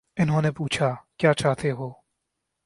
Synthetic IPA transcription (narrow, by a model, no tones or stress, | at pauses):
ɪnɦõːnepuːt͡ʃʰakjaːt͡ʃaːɦt̪eɦoː